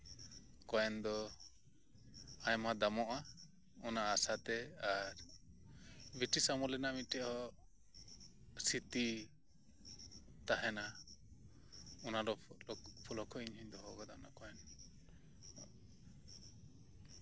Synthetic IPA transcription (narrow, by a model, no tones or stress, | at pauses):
kɔjɛnd̪ɔ | ajmad̪amɔʔa | ɔnaʔːsat̪ɛaɾ | biʈisamɔlɛnamiʈɛʔhɔ | sit̪i | t̪aɦɛna | ɔnaɾɔpʰulɔkʰɔiɲɦɔɲd̪ɔɦɔɡad̪anakɔjɛn